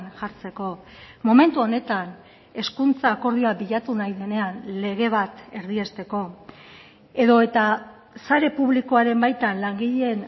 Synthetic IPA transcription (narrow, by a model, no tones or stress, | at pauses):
nʝaɾt͡se̞ko̞ | mo̞me̞nt̪uo̞ne̞t̪an | e̞skunt͡saːko̞ɾðioabiʎat̪unajðe̞ne̞anle̞ɣ̞e̞β̞at̪e̞ɾðie̞st̪e̞ko̞ | e̞ðo̞e̞t̪a | saɾe̞puβliko̞aɾe̞mbajt̪anlaŋɡiʎee̞n